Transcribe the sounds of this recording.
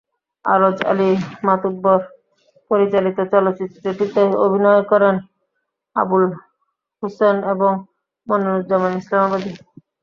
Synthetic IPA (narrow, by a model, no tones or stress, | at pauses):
a̰ɾod͡ʑa̰limat̪ud̪̚boɾ | poɾit͡ɕalit̪ot͡ɕɔlot̪ːit̪ːɾeʈit̪eo̰bʱinɔekɔɾen | a̰bul | huseneboŋ | monolud͡ʑamanislamabad̪i